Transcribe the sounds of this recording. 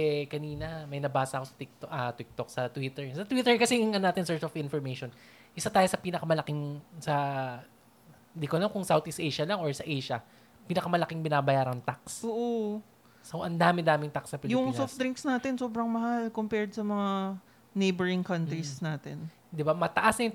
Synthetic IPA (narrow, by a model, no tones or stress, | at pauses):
ɛkɐniːnɐmɐjnɐbaːsɐʔɐkosɐ̥t̪ɪk̚t̪oʔɐt̪ɪk̚t̪ok̚sɐt̪wɪt̪ɛɹsɐt̪wit̪ɛɹkɐsɛɪŋʔɐnonaːt̪ɪnsɛɹsofɪnfɔɹmejʃon | ʔɪsat̪aːjosɐpiːnɐkɐmɐlɐkɪŋsɐ | nd̪ikolɐmkʊŋsawt̪ɪst̪ejʃɐlɐŋʔoɹsɐʔejʃɐ | piːnɐkɐmɐlɐkɪŋbɪnaːbɐjaːɾɐŋt̪aksoːʔo | soʔɐnd̪aːmɪd̪aːmɪŋt̪aksɐpɪljʊŋsofd̪ɾɪŋksnaːt̪ɪnsoːbɾɐŋmɐhalkompɛɹd̪sɐmɐŋa | nejbɛɹɪŋkɐnt̪ɾisnaːt̪ɛn | d̪ɪbamɐt̪ɐʔasnɐj